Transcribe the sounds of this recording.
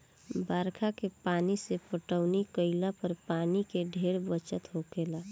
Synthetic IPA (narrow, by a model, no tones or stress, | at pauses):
baːɾkʰakepaːnisepəʈəʊnikəɪlapəɾpaːnikeɖʱeːɽbət͡ʃət̪ɦokeːlaː